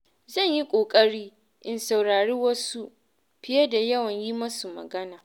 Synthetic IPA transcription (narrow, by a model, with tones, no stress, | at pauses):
zɐ˦˨ɲji˦kʷʼoː˨kʼɐ˦ɽiː˦ | ʔɪ˨nsa˨wɽaː˨ɽiː˦wɐ˦su˦ | ɸɪ˦jɐ˦da˨jɐ˦wɐ˨ɲji˦mɐ˦su˨mɐ̰˨ɡɐ˦naː˨